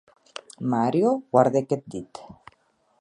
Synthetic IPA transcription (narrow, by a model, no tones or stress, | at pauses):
maɾjowaɾðeket̪̚d̪it̪